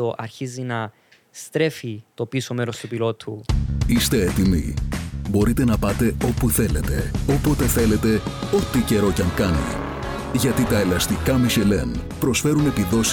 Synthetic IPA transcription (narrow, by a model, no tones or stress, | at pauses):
oʔɐɾçizinɐ | st̪ɾe̞fit̪o̞piso̞meɾost̪upilo̞t̪ʰuist̪e̞et̪imḭbo̞ɾit̪e̞nɐpɐt̪e̞o̞puθe̞le̞t̪e̞o̞po̞t̪e̞θe̞le̞t̪e̞o̞t̪ːice̞ɾo̞cɐŋkɐnḭ | ʝɐt̪it̪ɐe̞lɐst̪ikɐmiʃe̞le̞n | pɾo̞sfe̞ɾune̞piðo̞s